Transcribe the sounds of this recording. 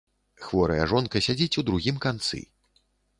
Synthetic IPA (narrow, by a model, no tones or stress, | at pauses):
xvɔɾɐ̰jɐʐɔnkɐsʲad͡zʲit͡sʲud̪ɾuɣʲimkant̪sɨ̰